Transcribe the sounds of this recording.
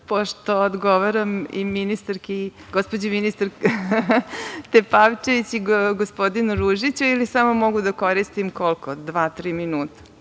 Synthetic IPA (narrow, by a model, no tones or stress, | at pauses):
poʃt̪oːd̪ɡoʋaɾamḭminist̪aɾki | ɡospod͡ʑeminist̪aɾ | t̪epaʋt͡ʃeʋit͡ɕiɡospod̪inɾuʒit͡ɕuilisamomoɡud̪akoɾist̪imkolˠkod̪ʋaːt̪ɾiːminuːt̪ḁ